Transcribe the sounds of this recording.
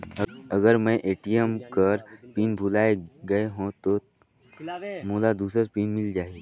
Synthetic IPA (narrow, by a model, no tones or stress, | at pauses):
əɡəɾmɛ̃ʔeːʈijəmkəɾpiːnbʱulaːeɡɐeɦõt̪o | muːlad̪uːsɾəɾpiːnmɪld͡ʒaːeɡ